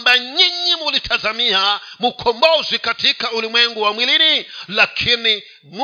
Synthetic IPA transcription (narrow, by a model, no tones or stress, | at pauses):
mbaɲiɲimulitʰazamiamukʰɔmbɔzwikatʰikaulimwɛŋɡuwamwilinilakʰini | m